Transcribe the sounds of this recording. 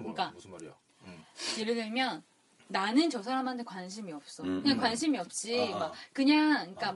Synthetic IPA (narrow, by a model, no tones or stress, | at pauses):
ɲik͈a | jeɾɯdɯɭmjʌnː | anɯnt͡ɕʌsʰaɾamɦandʰekwanɕ̬ʰimiʌp̚s͈ʌkkɯɲaŋkwanɕʰimiʌp̚t͡ɕ͈imakɯɲaŋŋɲik͈a